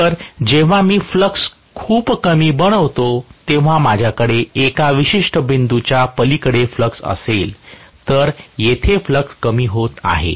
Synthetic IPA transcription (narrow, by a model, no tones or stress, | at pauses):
t̪əɾd͡ʑeʋ̤amiːfləks | kʰuːpkəmiːbəɽ̃əʋt̪ot̪ẽʋ̤amad͡ʑʱjakəɽeekaʋiɕiʂʈəbind̪ut͡ɕjapəlikəɽefləksə̰selt̪əɾjet̪ʰefləkskəmiːɦot̪a̰ɦḛ